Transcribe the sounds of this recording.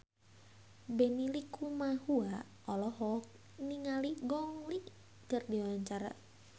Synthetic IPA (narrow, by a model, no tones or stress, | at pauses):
bɛnilikumahua | ɔlɔɦɔk̚ | niŋaliɡɔŋliʔ | kərdiwwaɲt͡ʃaɾa̰